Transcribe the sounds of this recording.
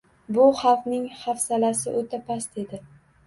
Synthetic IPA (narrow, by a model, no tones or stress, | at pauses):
bʊχɑfnɪŋχafsalasɪ̰ʔot̪ʰapʰast̪e̞d̪ɪ